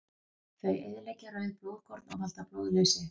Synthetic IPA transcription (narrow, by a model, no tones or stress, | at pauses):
kʰeːɥjʔejðlejcaɾœɥðɪplowðkʰɔɾt̪nɔ̰ɣhalt̪aploːwðlœɥsɪ